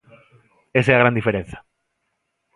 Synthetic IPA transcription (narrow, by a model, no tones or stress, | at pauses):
eseaɣɾãnd̪ifeɾẽn̟θḁ